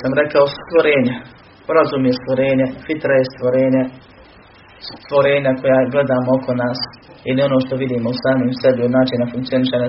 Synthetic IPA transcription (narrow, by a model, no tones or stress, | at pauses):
samɾekaost̪ʋoɾeːɲa | pɾazumjest̪ʋoɾeːɲafit̪ɾajest̪ʋoɾeːɲa | st̪ʋoɾeːɲako̞jaːɡle̞d̪aːmookʰonaːs | inɛo̞no̞ːʃt̪oʋid̪iːmousaːmimsebiod̪naːt͡ʃinafuŋkt̪sio̞niʃeɲa